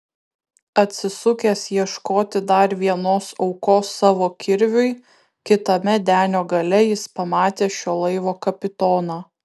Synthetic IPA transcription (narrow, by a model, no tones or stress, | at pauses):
ɐt̪ʲsʲɪsʊkʲeːsjiɛʃkoːt̪ʲɪd̪ɐɾʋʲiɛnoːsɒʊkoːsːɑːʋoːkʲɪɾʲʋʲʊɪ | kʲɪt̪ɐmʲɛd̪ʲæːnʲoːɡɐlʲɛjɪspɐmɑːt̪ʲeːʃʲoːlˠɐɪʋoːkɐpʲɪt̪oːnɑː